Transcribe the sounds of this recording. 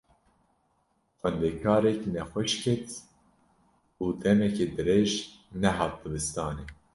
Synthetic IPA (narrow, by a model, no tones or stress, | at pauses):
xʷɛnd̪ekʰɑːɾɛknɛxʷɛʃkʰɛt̪ | uːd̪ɛmɛkeːd̪ɨɾeːʒ | nɛɦɑːt̪̚b̪ɨbɨst̪ɑːne